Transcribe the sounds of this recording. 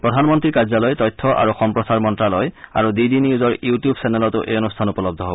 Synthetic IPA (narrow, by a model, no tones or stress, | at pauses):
pɹɔdʱanmɔntɹiɹkazalɔjtɔjtʰːɔʔa̰ɹuxɔmpɹɔsaɹmɔntɹalɔja̰ɹudidiniuzɔɹjuutijubsɛnɛlɔtʊʔḛjɔnustʰanupɔlɔbdʱɔɦob